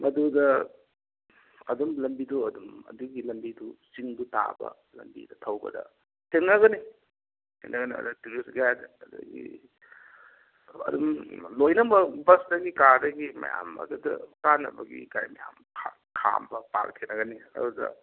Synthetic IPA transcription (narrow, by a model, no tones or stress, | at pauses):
mɐdudɐ | ɐdumlɐmbiduɐdumɐduɡilɐmbidusiŋdutabɐ | lɐmbḭdɐtʰɐwbɐ̰dɐ | tʰeŋnɐnɐɣɐni | tʰenɐɡɐniɐ̰dɐtuɾisɡadɐdɐɡi | ɐ̰dumlojnɐbɐbɐsdɐɡikaɾdɐɡimɐ̰jamɐ̰dudɐ̰kanɐ̰bɐɡikajmɐjamkʰa | kʰambɐpak̚tʰenɐɡɐniɐ̰dudɐ̰